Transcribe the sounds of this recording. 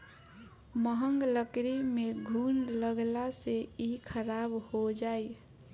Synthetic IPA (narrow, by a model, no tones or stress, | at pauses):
məɦəŋɡləkɾimeɡʱunləɡlaseikʰəɾabhod͡ʒaj